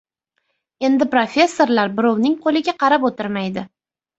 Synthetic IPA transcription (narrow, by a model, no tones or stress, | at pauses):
e̞nd̪ɪpɾofʲe̞sːo̞ɾlaɾbɪɾɒwnɪŋqʰolɪɡʲaqʰɑɾapot̪ɪɾmajd̪ɪ